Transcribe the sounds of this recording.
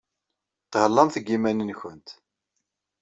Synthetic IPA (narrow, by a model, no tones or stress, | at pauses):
θʁəlːɑmθəɡːimænənçənt̪